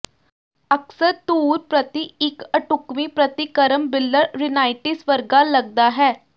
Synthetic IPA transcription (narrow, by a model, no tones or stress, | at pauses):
əksəɾt̪uːɾpɾət̪iɪkəʈʊkmipɾət̪ikəɾəmbɪlːəɾɾɪnaːɪʈɪsʋəɾɡaləɡ̚d̪aːɦɛː